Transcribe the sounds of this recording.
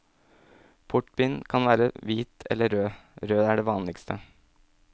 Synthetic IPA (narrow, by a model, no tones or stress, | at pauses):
pʰʊʈbɪnkʰɑnʋæːɾə̰ʋiːt̪ʰɛ̰lːəɾøːɾøːæɖeːʋɑːnlɪkst̪ʰə